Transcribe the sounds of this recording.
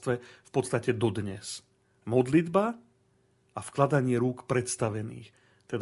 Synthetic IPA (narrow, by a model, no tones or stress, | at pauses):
t̪ʋɛfpɔt̪st̪acɛd̪ɔd̪ɲɛ̰s | mɔd̪lid̪ba | ʔafklad̪aɲɪɛɾuːkpɾɛt̪st̪aʋɛnḭːx | t̪ɛd̪